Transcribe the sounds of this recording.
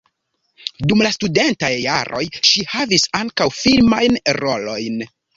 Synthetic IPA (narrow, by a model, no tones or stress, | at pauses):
dumlastude̞ntajːaɾo̞̰jʃihavisaŋkawfilmajnɾo̞lo̞jn